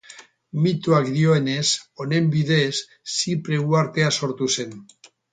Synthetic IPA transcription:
mit̪uakd̪ioenesonembiðesː | ipɾeɣwaɾt̪easoɾt̪usen

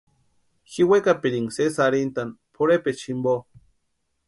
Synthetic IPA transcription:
xiwekapiɾiŋsesaɾint̪anpʰoɾepet͡ʃimbo

